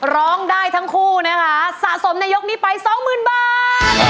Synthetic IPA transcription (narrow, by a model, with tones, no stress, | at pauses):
ɾɔː˦˥ŋdaː˥˩jt̪ʰa˦˥ŋkʰuː˥˩na˦˥kʰa˦˥sa˨˩ʔso˩˦mnaː˧jo˦˥k̚ni˦˥pa˧jsɔː˨˩˦ŋmɯː˨˩nbaː˨˩t̪̚